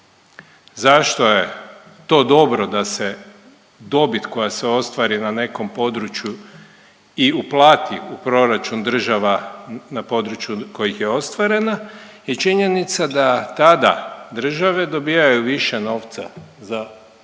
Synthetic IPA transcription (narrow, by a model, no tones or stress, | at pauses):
zaʃt̪o̞je̞ | t̪o̞ːd̪o̞bɾo̞d̪ase̞ | d̪o̞bit̪ko̞jaseo̞st̪ʋaɾinane̞ko̞mpo̞d̪ɾut͡ʃju | iuplˠaːt̪iupɾo̞ɾat͡ʃund̪r̩ʒaʋanapo̞d̪ɾut͡ʃjuko̞jixjeo̞st̪ʋaɾe̞najet͡ʃiɲe̞nit̪sad̪at̪ad̪ad̪r̩ʒaʋe̞d̪o̞bijajuʋiʃe̞no̞ːʋt̪sa̰za